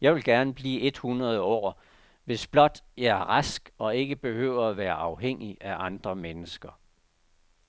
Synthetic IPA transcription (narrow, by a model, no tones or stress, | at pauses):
jɑ̈ɪʋe̝lɡ̥æɐnəb̥liːe̝d̥hunʁɐð̞ˠəɒ̰ː | ʋe̝sb̥lɒ̽d̥jɑ̈ɪæɐʁasɡ̥ɒ̽e̝ɡ̥əb̥e̝hø̰ːʊ̰ɐæʋæːɐʔɑ̈ʊɦeŋ̰iʔæʔɑ̈nd̥ʁɐmenəsɡ̥ɐ